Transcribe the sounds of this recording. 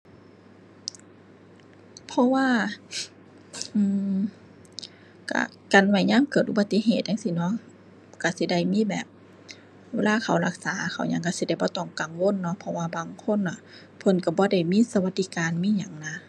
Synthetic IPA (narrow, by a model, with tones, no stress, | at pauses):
pʰɔ˧waː˧˨ | ʔɯː˧˩ | ka̰˧˩ | ka˨nwa˧˩jɲaː˧˥˨mkɤː˧˨˩t̪̚ʔu˧ba˧t̪ːi˧˥˨ɦeː˨˩t̪̚ja˧˨ŋsi˧˨nɔ˧˥˨ | ka˧˩si˧˦da˧˩jmiː˧˥˨bɛ̰ː˨˩p̚ | weː˧laː˧˥˨kʰa˨˩wla˧k̚saː˨˦kʰa˨˩wɲa˧˨ŋka˧˩si˧˦da˧˩jbɔː˧˦t̪ɔ˧˩ŋka˨ŋwo˧˥˨nːɔ˧˥pʰɔ˧waː˧baː˧˨ŋkʰo˧˥˨nːa˧˨ | pʰɤ˧˥˨nka˧˩bɔː˧˦da˧˩jmiː˧˥˨sa˧wa˧t̪̚ːi˧˨kaː˨nmiː˧˥˨ɲa˨˦ŋna˧